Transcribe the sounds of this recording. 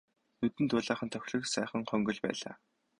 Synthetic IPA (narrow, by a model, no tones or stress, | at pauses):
nɵt̪ɘ̆nt̪ʊːɮaːχə̆nt̪ʰœxʲɮɵ̆ksæːχə̆ŋχœŋɡɵ̆ɮpæ̰ːɮa̰ː